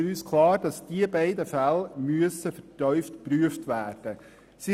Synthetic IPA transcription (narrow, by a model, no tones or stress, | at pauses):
yːskʰlɑːɾd̥ɑsd̥iəbæɪdəfælmyəsəfəɾtœʏftpɾyəftʋæːɾd̥ə | si